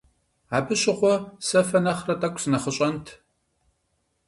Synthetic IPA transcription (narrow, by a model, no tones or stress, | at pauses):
aːbɨɕʼɪχʷɔsɐfɐnɐχrɐtʼɐkʷʰʼsɨnɐχəɕʼɐntʰ